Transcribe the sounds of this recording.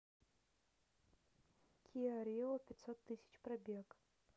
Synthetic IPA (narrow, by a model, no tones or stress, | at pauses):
kʰʲiaɾʲlˠɔpʲɪt̪sot̪ːɨsʲɪ̥t͡ɕprɐbʲek